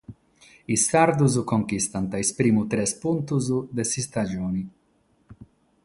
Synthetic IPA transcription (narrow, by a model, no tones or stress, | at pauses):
isːaɾd̪uzkoŋkist̪ant̪aespɾiːmut̪ɾɛspunt̪uzd̪esist̪ad͡ʒoːni